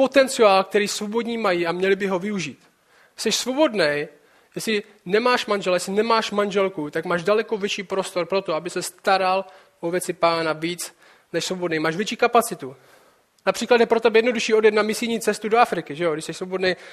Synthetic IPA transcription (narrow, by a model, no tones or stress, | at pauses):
po̞t̪ɛnt͡sɪaːlk̚t̪ɛɾiːsvo̞bo̞dɲiːmajiamɲɛlɪbɪɦo̞vɪuʒiːt̪ | sɛʃsvo̞bo̞dnɛj | jɛsɪ | nɛmaːʃmanʒɛlajɛslɪnɛmaːʃmanʒɛlkut̪akmaːʒdalɛko̞vʲjɛt͡ʃiːpɾost̪o̞ɾpɾo̞t̪oabɪsɛst̪aɾal | ovjɛt͡sɪpaːnaviːt͡s | nɛʃsvo̞bodnejmaːʃvjɛt͡ʃiːkapat͡sɪt̪u | napr̥iːklat̪d̪jɛpɾooʔbɪjɛdno̞duʃiːo̞djɛt̪̚namɪsɪlɲiːt͡sɛst̪udoafɾɪkɪʒɛjoɡɾɪʃsɛʃsvo̞bo̞dnej